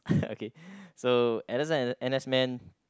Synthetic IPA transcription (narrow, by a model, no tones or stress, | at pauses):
o̰kʰesoɛɾəzəɛ̃nɛsmɛ̃n